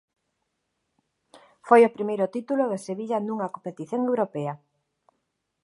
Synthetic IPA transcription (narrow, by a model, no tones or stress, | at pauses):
fojopɾimejɾʊt̪it̪uloðeseβiʎɐnũŋakompet̪iθjoŋewɾopɛɐ